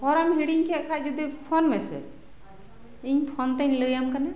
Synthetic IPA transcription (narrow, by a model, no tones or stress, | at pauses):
pɔɾamɦiɽiŋkʰekʰad͡ʒəd̪ipʰonmesḛ | iŋpʰont̪ənləjamkane